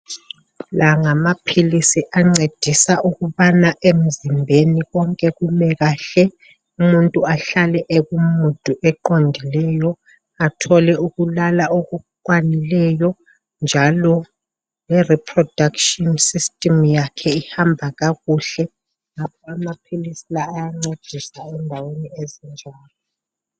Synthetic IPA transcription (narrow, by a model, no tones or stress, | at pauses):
laŋamapʰilisiʔaŋ͡ǀed̥ʱisaʔuɣuβanaʔem̩zimbʱeniɣɔŋkʼɛɣumɛɣaɬɛ | umuntʼuaɬalɛʔeɣumutʼuʔɛǃondʱilɛjɔ | atʰɔlɛuɣulalaoɣukʼwanilɛjɔ | nd͡ʒʱalɔ | jɛripʰrɔd̥ʱakʃɔnsistʼimjakʰɛihambʱaɣaɣuɬɛ | ŋap̚ʰɔamapʰilisilaːjaŋ͡ǀed̥ʱisaɛndʱaweniezind͡ʒʱaːlɔ